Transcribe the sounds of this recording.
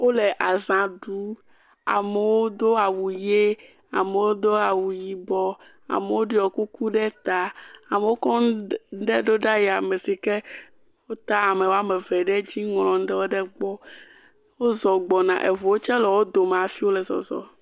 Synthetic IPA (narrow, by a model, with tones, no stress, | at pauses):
wo˦lɛ˨ʔa˨zã˨ɖu˨˦ | a̰˨me˨wo˦d̪o˦a˨wu˨je˦ | a̰˨me˨wo˦d̪o˦a˨wu˨ji˨bɔ˦ | a̰˨me˨wo˦ɖe˦ɔ˨ku˦ku˦ɖɛ˦t̪a˨a˨me˨wo˦kɔ˦ɖɛ˦ɖo˦ɖa˦ja˨me˨si˨kɛ˦ | wo˦t̪a˦a˨me˨wo˦a˦me˨vɛ˨ɖɛ˦d͡ʑi˦ŋlɔ̃˨ŋ̩˦ɖɛ˦wo˦ɖɛ˦ɡ͡bɔ˦ | wo˦zɔ˨ɡ͡bɔ˨nã̰˨ʔe˨vo˨wo˦t͡ʃɛ˦lɛ˨wo˦d̪o˨m˨a˨fi˦wo˦lɛ˨zɔ̰˨zɔ̰˨